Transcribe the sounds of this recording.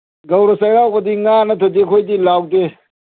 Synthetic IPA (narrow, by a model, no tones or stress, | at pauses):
ɡɐwɾɔsɐjɾawbɐdiŋanɐtʰɐdikʰojdilawde